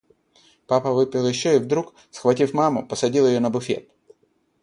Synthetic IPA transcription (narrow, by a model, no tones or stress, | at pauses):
papəvɨpʲɪlˠjɪɕːoɪvd̪ɾuk | sxvɐtʲifmamʊ̰pəsɐdʲilˠjɪjonəbʊfʲḛt̪̚